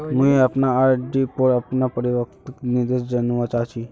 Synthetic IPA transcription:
ɦũeapnaːɾɖipoɾapnapəɾiʋəkt̪nid̪eʃd͡ʒənʋat͡ʃat͡ʃʰi

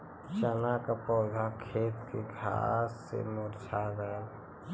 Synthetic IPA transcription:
ʃənakapɔːd̪ʱakʰeːt̪keɡʱa̰ːsːḛmoɾt͡ʃʰaɡəl

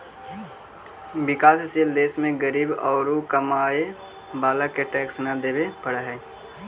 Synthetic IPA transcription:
bɪkaːsɪsild̪eːsmẽɡəɾiːbɔːɾukəmaːe | baːlakeʈɛːksnad̪eːbepəɽaɦɛː

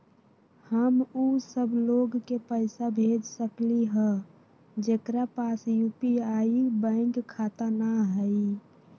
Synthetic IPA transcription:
həmusəbloɡkepəɪsabʱed͡ʒsəkliɦə̃ | d͡ʒekɾapasjupiaibə̃ɪŋɡkʰːat̪anaɦəi

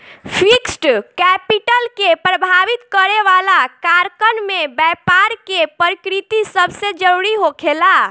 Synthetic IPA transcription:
pʰiksʈkɛpiʈəlkepɾəbʱaʋit̪kəɾeʋalakaɾkənmebɛpaɾkepəɾikɾit̪isəbʱsed͡ʒəɾuɽiɦokʰela

